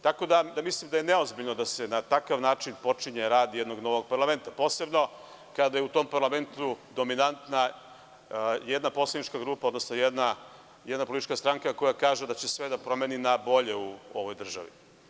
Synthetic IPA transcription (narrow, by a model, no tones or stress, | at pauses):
t̪ako̞d̪ad̪amislimd̪ajeneo̞zbiʎno̞d̪asenat̪akaʋnaːt͡ʃinpo̞t͡ʃiɲeɾaːd̪jed̪no̞ɡno̞ʋo̞ɡ̚paɾlˠame̞nt̪apo̞ːse̞bno̞ | kad̪ajeut̪o̞mpaɾlame̞nt̪ud̪o̞minant̪na | jed̪napo̞slanit͡ʃkaɡɾuːpao̞d̪nosnojed̪na | jed̪napolit̪it͡ʃkast̪ɾaŋkako̞jakaːʒed̪at͡ɕesʋe̞d̪apɾo̞meninabo̞ʎe̞uo̞̰ʋojd̪r̩ʒa̰ʋḭ